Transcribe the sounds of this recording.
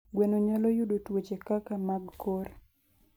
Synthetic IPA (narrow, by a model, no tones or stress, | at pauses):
ɡwɛnoɲalɔjudotwot͡ʃekakamaɡkor